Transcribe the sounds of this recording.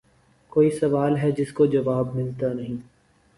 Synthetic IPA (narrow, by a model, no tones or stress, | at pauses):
koːisɐʋaːlɦɛd͡ʒɪskod͡ʒɐʋaːbmɪlt̪anɐɦĩː